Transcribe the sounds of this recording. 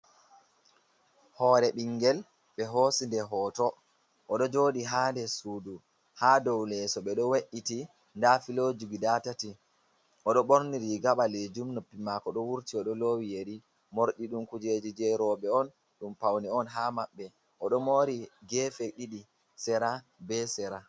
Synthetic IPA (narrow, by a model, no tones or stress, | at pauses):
hɔːɾɛɓiŋɡɛl | ɓɛɦoːsindɛɦɔːtɔ | ʔɔɗɔd͡ʒoːdiɦaːndɛsuːdu | haːdɔwlɛsɔɓɛɗɔweʔːiti | ndafilod͡ʒuɡidatati | ʔɔɗɔɓoɾniɾiɡaɓaled͡ʒumnopːimakɔɗɔwuɾtiɔɗɔlowijeɾi | moɾɗiɗumkud͡ʒed͡ʒid͡ʒɛɾɔɓɛɔn | ɗumpawniɔnɦamaɓːɛ | ʔɔɗɔmoːɾiɡɛːfɛɗiɗi | sɛɾa | bɛsɛɾa